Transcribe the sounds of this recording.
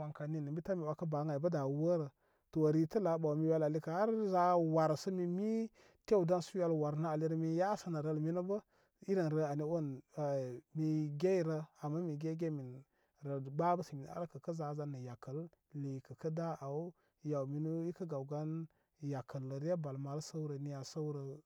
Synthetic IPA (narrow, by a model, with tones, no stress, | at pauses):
wa˨ŋka˨ni˨nə˨mbi˦ta˦mi˨wa˨˦kə˦ba˨˦ŋa˨bə˦da˨˦wə˦ɾə˨ | to˨ɾi˨tə˦la˨˦ba˨wmi˦wja˦la˨li˦ka˨ha˦ɾza˦wa˨ɾsə˦mi˨mi˦ | te˦u˨da˦nsu˦wa˦lwa˨ɾna˦a˨li˦ɾə˦mi˦ja˦sə˦nə˨ɾə˦˨lmi˦nu˦bə˦ | i˦ɾə˨nɾə˨a˨ni˦wo˦˨n˨ | mi˨ɡe˦i˦ɾə˦a˨mːa˦mi˨ɡe˦ɡe˦mi˨n | ɾə˨ba˦bə˦sə˨mi˨n˨a̰˦ɾkə˨kə˦za˨˦za˦nə˨ja˨kə˨l | li˨kə˨kə˦da˦ʔa˨u˦ | ja˨wmi˨nu˦i˦kə˦ɡa˨wɡa˦n | ja˨kə˨lə˨ɾa˦ba˨lma˨ɾsə˦wɾə˨ni˦ja˨sə˦wɾə˨